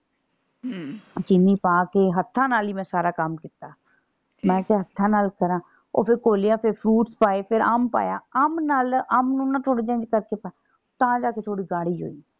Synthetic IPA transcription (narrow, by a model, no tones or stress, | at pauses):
t͡ʃɪniːpaːkeːɦət̪ʰːãːnaːliːmɛ̃ːsaːɾaːkəmkɪt̪aː | mɛ̃ːk̪eɦət̪ʰːãːnaːlkəɾãː | o̰ːpʰɪɾkoːlejãːpʰɪɾpʰɾuːʈspaːeːpʰɪɾaːmpa̰ːja̰ːaːmnaːlaːmnũːnaːt̪ʰoɽt͡ʃẽːnd͡ʒkəɾkeːpaː | t̪ãːd͡ʒaːkeːt̪ʰoːɽiːɡaːɽiːɦo̰ːiː